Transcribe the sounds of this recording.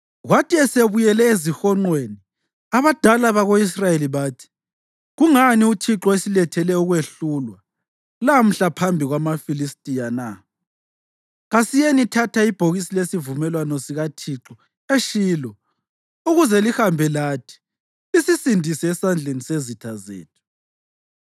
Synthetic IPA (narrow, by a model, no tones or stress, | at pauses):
ɣwatʰiɛseβujɛlɛezixɔŋ͡ǃweni | aβad̥ʱalaβaɣois̬rajeliβaːtʰi̥ | ɣuŋaniutʰiǁɔesilɛtʰɛlɛuɣweɬuːlwa | lam̩ɬapʰambʱiɣwamafilistʼijana | ɣasijenitʰatʰaib̥ʱoɣisilesivumɛlwanɔsiɣatʰiǁɔ | eʃiːlɔ | uɣuzɛlihambʱɛlatʰi̥ː | sisindʱisɛːsand͡ɮʱenisezitʰazḛːtʰu̥